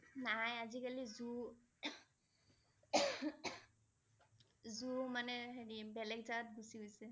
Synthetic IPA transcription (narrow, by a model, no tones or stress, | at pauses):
najazikalizu | zumanɛɦenibɛlɛk̚dat̪̚busiɡojsɛ